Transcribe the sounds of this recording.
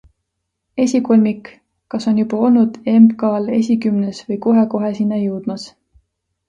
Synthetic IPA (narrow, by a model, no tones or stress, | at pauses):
e̞sʲiko̞lʲmik | kɑso̞njub̥ɑo̞lnud̪̥e̞mbkɑːle̞s̬ʲikymnesvɤjko̞ɦe̞ko̞ɦesinːɑjuwd̪̥mɑs